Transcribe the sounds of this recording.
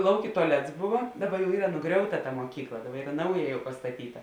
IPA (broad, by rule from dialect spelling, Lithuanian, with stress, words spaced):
ˈlˠɐʊkʲeː tʊɐˈlʲɛts ˈbʊʋoː ˈdɑːbɐ jɛʊ ˈiːrɐ nʊˈɡrʲɛʊtɐ tɐ moːˈkʲiːklˠɐ ˈdɑːbɐr ˈiːrɐ ˈnɐʊjɛ jɛʊ pɐstɐˈtʲiːtɐ